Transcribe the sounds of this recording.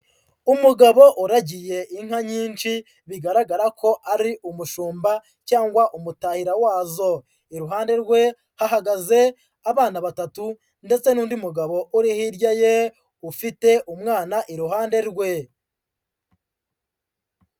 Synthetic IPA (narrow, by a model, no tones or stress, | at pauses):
umuɡaβo̞ʔuɾaɟije̞ʔiŋ̥haɲiːnt͡ʃi | βiɡaɾaɡaɾakʰo̞ʔaɾiʔumuʃuːmba | caːŋɡwaʔumutahiɾawaːzo̞ | iɾuɦaːnde̞ɾɡwe̞ | haɦaɡaze̞ | aβaːnaβatatu | nde̞t͡se̞nuːndiumuɡaβo̞ʔuɾihiɾɟaje̞ | ufite̞ʔumŋaːnaʔiɾuɦaːnde̞ɾɡwe̞